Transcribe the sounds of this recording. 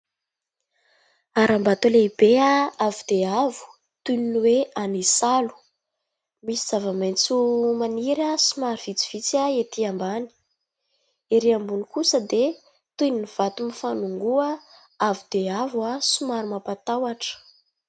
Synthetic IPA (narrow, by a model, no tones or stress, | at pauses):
aɾʔambat̪uleib̥eaavud̪̥eavu̥ | t̪uniniweanisalu̥ | misiz̥avəmajnt͡sumaniɾasumaɾiv̥it͡si̥v̥it͡saet̪iambani̥ | iɾiambunikusəd̪e | t̪uniniv̥at̪umifanuŋɡua | avud̪̥eavasumaɾumapat̪awaʈ͡ʂə̥